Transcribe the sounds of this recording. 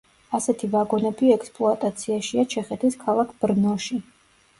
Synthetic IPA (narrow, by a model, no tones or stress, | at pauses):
asɛt̪ʰivaɡɔnɛbiɛkspʼlˠɔat̪ʼat̪sʰiaʃiat͡ʃʰɛχɛt̪ʰiskʰalˠakʰb̥ɾnɔʃi